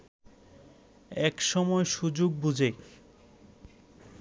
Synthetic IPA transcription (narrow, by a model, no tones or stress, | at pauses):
ɛkʃɔmɔeʃud͡ʑoɡ̚bud͡ʑʱe